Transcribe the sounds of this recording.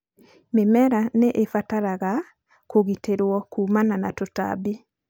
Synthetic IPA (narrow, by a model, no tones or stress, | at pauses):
memɛɾaneʔefataɾaɣa | koɣiteɾwɔkumananatota̰bi